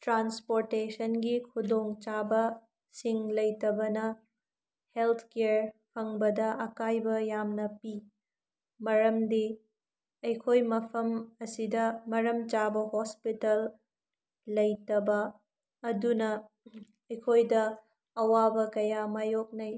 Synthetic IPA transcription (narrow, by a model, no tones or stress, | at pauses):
tɾanspoɾtesɐnɡikʰudoŋt͡ʃabɐ | siŋlɐjtɐbɐnɐ | helt̪ʰkeɾpʰɐŋbɐdɐʔɐkajbɐjamnɐpi | mɐɾɐmdi | ɐjkʰojmɐpʰɐmɐsidɐmɐɾɐmt͡ʃabɐhospitɐlː | ɐjtɐbɐː | dunɐ | ɐjkʰojdɐː | wabɐkɐjamajok̚nɐj